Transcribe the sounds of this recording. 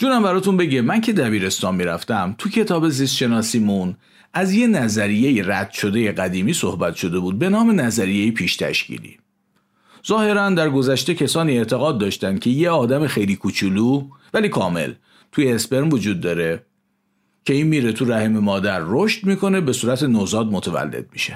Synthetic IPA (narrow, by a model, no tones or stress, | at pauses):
d͡ʒuːɾæmbæɾɒːt̪unbe̞ɟemæncʰe̞d̪æbiːɾe̞st̪ɒːnmiːɾæft̪æmt̪ʰucʰe̞t̪ʰɒːbe̞zist̪ʃe̞nɒːsiːmun | ʔæzje̞næzæɾije̞jeɾæd̪̥ʃo̞d̪e̞je̞ɢæd̪iːmiːsohbæt̪ʃo̞d̪e̞buːd̪̚be̞nɒːme̞næzæɾije̞jepʰiːʃt̪ʰæ̰ʃcḭlḭː | z̥ɒːhe̞ɾænd̪æɾɡo̞zæʃt̪e̞cʰesɒːniːeɾt̪ʰe̞ɣɒːd̪̚ːɒːʃt̪ænd̪̥̚cʲʰe̞jeɒːd̪æmexejliːkʰut͡ʃʰuluːvæliːkʰɒːme̞̰l | t̪ʰujeːsbe̞ɾmvod͡ʒuːd̪ːɒːɾe | cʰe̞iːnmiːɾet̪ʰuɾæhememɒːd̪æɾːoʃt̪miːkʰo̞ne̞be̞suːɾæt̪ʰe̞nozɒːd̪mot̪ʰævæ̰lːḛd̪̥̚mḭʃe